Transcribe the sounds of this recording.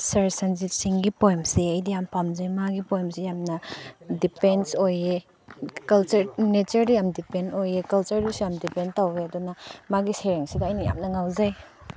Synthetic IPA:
sɐɾsɐnzitsiŋɡipojmseɐjdijampamzajmaɡipojmsijamnɐdipensoje | kɐlt͡ʃɐɾnet͡ʃɐɾdɐjamdipenojekɐlt͡ʃɐɾdusjamdipentaweɐdunɐmaɡiseɾeŋsiɡɐɐjnɐja̰mnɐŋawzaj

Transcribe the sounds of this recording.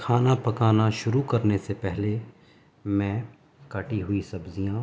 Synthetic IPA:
kʰaːnapɐkaːnaʃʊɾukɐɾnesepɛɦle | mɛ̃ | kaːʈiɦʊisɐbzijãː

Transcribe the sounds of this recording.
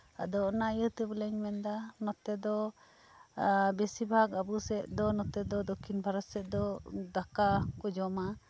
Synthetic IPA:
a̰d̪ɔɔnaijət̪əbəlɛɲmɛnd̪anɔt̪ɛd̪ɔ | bɛsibʱakabusɛʔd̪ɔnɔt̪ɛd̪ɔd̪okʰinbʱaɾɔsɛʔd̪ɔd̪akakɔd͡ʒɔma

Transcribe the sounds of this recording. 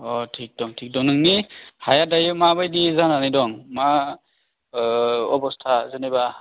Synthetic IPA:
ɔtʰik̚d̥ɔŋtʰik̚dɔŋnɯŋnihajadajɯmabajdizananidɔŋma | ɔbɔstʰazeneba

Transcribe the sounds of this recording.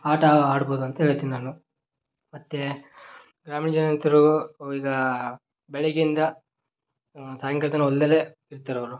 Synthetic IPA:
aːʈaaːɽboːd̪uɐnt̪ɐɦeːɭt̪iːninaːnu | mɐt̪ːe | ɡɾaːminid͡ʒɐnɐnt̪iɾuuiːɡɐ | bɛɭeɡind̪ɐ | saːjɐŋkɐlt̪ɐnɐold̪ɐle | iɾt̪ɐɾɐʋɐɾu

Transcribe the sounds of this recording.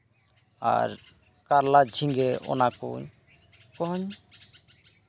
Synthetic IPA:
a̰ɾ | kaɾlad͡ʑʱiŋɡeo̰nako̰ɲ | kɔɦɔɲ

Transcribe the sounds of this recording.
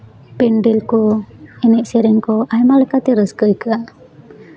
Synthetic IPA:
pɛɳɖɛlkɔɛnɛʔsɛɾɛŋkɔʔajmalɛkat̪ɛɾəskəjkəaʔ

